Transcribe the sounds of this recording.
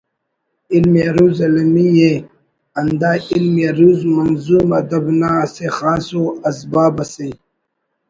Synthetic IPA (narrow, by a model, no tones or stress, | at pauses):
ilmeɾuːzɐlɐmije | ɐnd̪aːilmeɾuzmɐnzuːmɐd̪ɐbnasexaːsoɐsbaːbɐsij